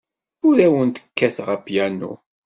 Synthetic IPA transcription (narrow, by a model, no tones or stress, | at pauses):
ʊɾæwənt̪ə̥kːæθʁəpjænṵ